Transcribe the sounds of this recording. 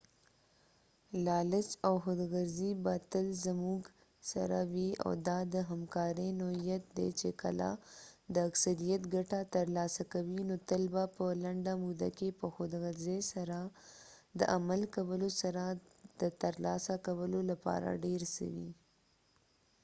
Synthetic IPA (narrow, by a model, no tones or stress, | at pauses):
lɑlɪsawxod̪ɣaɾzibat̪əlzamuɡ | sa̰ɾa̰wia̰wd̪ɑd̪əɦamkɑɾənohijat̪̚d̪ḛt͡ʃeka̰la̰d̪əaksaɾijat̪ɡaʈat̪əɾlɑsakawinot̪əlbapəlaɳɖamud̪a̰kepəxod̪ɣaɾzesaɾa | d̪ə̰ʔamalkawəlosaɾad̪̥ət̪aɾlɑsakawəlolapɑ̰ɾa̰ɖeɾsə̰wḭ